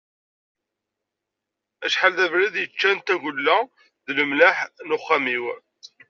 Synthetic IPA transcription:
æʃħalðævɾiðjət͡ʃːænt̪æʝʊlːæ | ðləmlaħnʊχːamiw

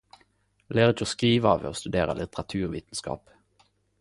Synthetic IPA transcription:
leːʁɪt͡ʃoːskʁiːʋəɑːʋḛoːst̪ʉd̪eːʁə̰lɪt̪əʁɑt̪ʰʉːʁʋiːt̪n̩skɑ̰ːp

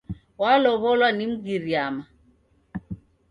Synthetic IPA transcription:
walɔβɔlwanim̩ɡiɾiama

